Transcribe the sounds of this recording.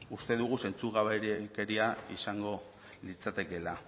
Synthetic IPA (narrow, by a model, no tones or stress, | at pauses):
ust̪e̞ðuɣ̞use̞nt͡suɣaβeke̞ɾiaisaŋɡo̞ | lit͡sat̪e̞ke̞la